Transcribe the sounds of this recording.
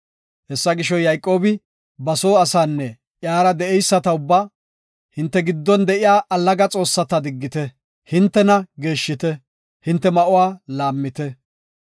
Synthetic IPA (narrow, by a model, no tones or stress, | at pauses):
hɛsːɐɡɪʃɔjɐjkʼːo̞ːbɪ | bɐso̞ːɐsaːnːɛ | ʔjaːɾɐd̪ɛʔɛjsːɐt̪ɐʊbːa | hɪnt̪ːɛɡɪd̪ːɔnd̪ɛʔɪjaːʔɐlːɐɡɐt͡sʼo̞ːsːɐt̪ɐd̪ɪɡːɪt̪ɛ | hɪnt̪ːɛnɐɡe̞ːʃːɪt̪ɛ | hɪnt̪ːɛmɐʔʊwaːlaːmːɪt̪ɛ